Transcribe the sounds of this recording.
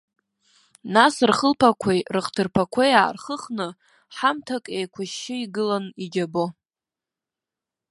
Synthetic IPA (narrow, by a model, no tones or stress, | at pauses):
nasrχəlpʰakʷʰejrɨχtʰɨrpʰakʷʰaja̰ːrχəχnɨ | ħamtʰakʼejkʷʰaʃːɪiɡɨlanid͡ʒʲabo